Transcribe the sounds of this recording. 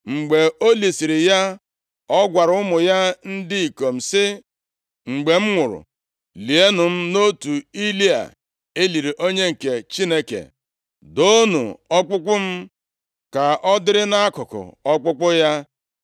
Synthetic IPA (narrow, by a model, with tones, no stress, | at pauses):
ŋ͡m̩˨ɡ͡be˨o˦li˨si˨ɾɪ˨ja˦ | ɔ˦ɡʷa˨ɾʊ˦mʊ˨ja˦n̩˦dɪ˦i˨ko˨m̩˨sɪ˦ | ŋ͡m̩˨ɡ͡be˨m̩˦ŋʷʊ˨ɾʊ̰˨ | li˨e˦nʊ˨m̩˦no˦tu˨i˦li˦a̰˨ | e˦li˨ɾi˨ʔo˦ɲe˦ŋ̩˨ke˨t͡ʃi˦ne˦kḛ˨ | do˦nṵ˨ɔ˦k͡pʊ˦kʷʊ˦m̩˦ | ka˨ʔɔ˦dɪ˦ɾɪ˦na˦a˦kʊ˨kʊ̰˨ɔ˦k͡pʊ˦k͡pʊ˦ja˦